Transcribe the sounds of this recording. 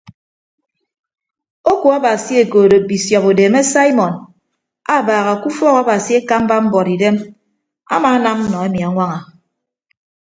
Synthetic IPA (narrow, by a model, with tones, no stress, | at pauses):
o˦ku˨a˦ba˨si˦e˨koː˨do˨bi˨sjɔ˨po˨deː˨me˦sa˦i˦mɔ˨n | a˦˨baː˨ɣa˨ku˦fɔ˦ɣa˦ba˨si˦e˦ka˦m̩˦ba˦m̩˦bɔ˨ɾi˨de˦m | a̰˦maː˦na˦m̩˦nɔ˨e˦mi˨a˨ŋʷa˦ŋa˨